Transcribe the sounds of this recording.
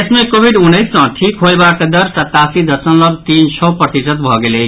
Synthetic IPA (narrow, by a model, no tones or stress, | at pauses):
esmekobʱiɖunːəjsːʌ̃ʈʰikɦoebakʌd̪ʌɾsʌt̪ːasid̪ʌsənlʌbt̪int͡ʃʰɔpʌt̪isət̪̚bʱʌɡele